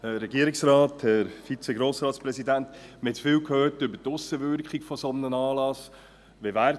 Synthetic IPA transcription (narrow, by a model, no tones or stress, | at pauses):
hɛːɛɡiəɾɪksrɑːthɛɾfit͡sɛɡɾoːsɾɑːt̪spɾɛsidæntmɪtt͡sfɪːwkhøːtʏbətʊsəʋʏɾkχɪɡfɔsɔnnənɑːlɑs | ʋevæːɾ